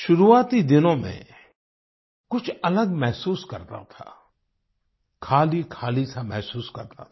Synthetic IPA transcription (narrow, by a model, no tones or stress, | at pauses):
ʃʊɾuaːt̪id̪ɪnõmḛ̃ | kʊt͡ʃʰɐləɡmɛɦsuːskɐ̰ɾt̪a̰t̪ʰa̰ː | kʰaːlikʰaːlisamɛɦsuːskɐɾt̪a̰t̪ʰː